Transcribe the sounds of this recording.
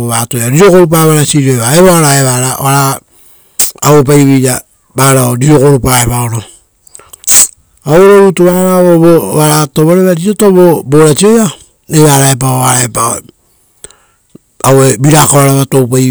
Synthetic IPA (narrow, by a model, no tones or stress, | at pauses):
oβatojaɾiɾokoɾup̬aβaɾasiɾiojβaeβoaɾaeβaɾaβaɾa | op̬ajβija | baɾaoɾiɾo̞koɾupaeβaoɾo | awɾoɾutuβaɾaoβoβaɾatoβoɾeβaɾiɾotoβoboɾat͡ʃioja | eβaɾaep̬aoaɾaepao | awebiɾakoaɾaβatowpa